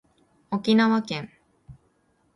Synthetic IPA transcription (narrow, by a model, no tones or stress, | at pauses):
o̞kʲinaβakẽ̞ɴ